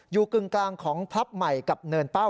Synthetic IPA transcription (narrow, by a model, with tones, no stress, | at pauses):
juː˨˩kɯ˨˩ŋklaː˧ŋkʰɔː˩˦ŋpʰa˦˥p̚ma˨˩jka˨˩p̚nɤː˧npa˥˩w